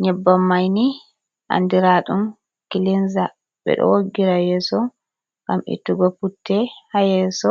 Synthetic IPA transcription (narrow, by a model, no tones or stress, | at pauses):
ɲɛbːamːajni | ʔa̰ndiɾaɗum | kilinza | ɓɛ̰ɗɔ̰woɡːiɾajɛsɔ | ɡamḭtuɡɔputːɛhajɛsɔ